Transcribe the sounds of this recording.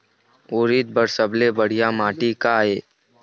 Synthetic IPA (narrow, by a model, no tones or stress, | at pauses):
oːɾit̪̚bəɾsəblebəɽ̤ijamaːʈikaɦeː